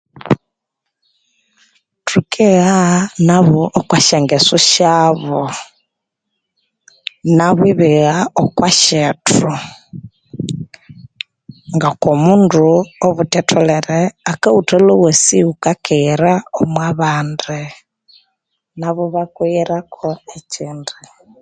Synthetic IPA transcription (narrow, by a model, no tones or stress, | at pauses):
tʰukʰiɣanaβoʔːkwaʃeŋɡesuʃaβo | naβwiβiɣaokwaʃetu | ŋɡakomunduoβutɛtʰɔlɛɾɛakautɛlowesiukakʰiɾaomwaβandi | naβɔβakwiɾakʰɔeciːndi